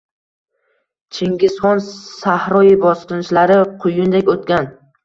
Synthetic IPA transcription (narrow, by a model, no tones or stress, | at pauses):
t͡ʃʰeŋɡʲɪsχɒnsahɾɒjɪbɒsqɨnɪʃlaɾɪqʰʊjɪnd̪ekʲot̪̚kʲan